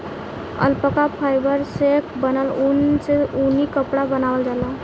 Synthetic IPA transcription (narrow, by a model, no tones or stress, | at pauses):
ə̰lpəkapʰajbəɾsekbənəlunseunikəpɽabənawəld͡ʒala